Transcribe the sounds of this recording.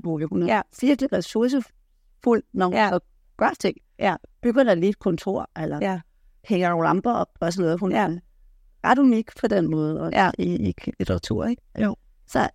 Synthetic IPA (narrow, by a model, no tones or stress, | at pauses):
b̥uʋiunæsiɐɡ̥li̥ʁɛsuɐs̬ə | ful̰nɒæɒ̽ | ɡ̥ɶɐ̥t͡sʰeŋ̰ | jæb̥yɡ̥ɐd̥ɑ̈liːd̥̚kʰɔ̽nt͡sʰo̝ɐ̰elɐjæ | heŋɐlɑmb̥ɐɒ̽bɒ̽s̬əleːð̩ˠhunæ̥ | ɑd̥umeɡ̥pʰɒ̽d̥enmɔ̽ːð̩ˠɒæieɡ̥lit͡sʰəʁɑ̈t͡sʰṵɐ̰eɡ̥o | sɒ̽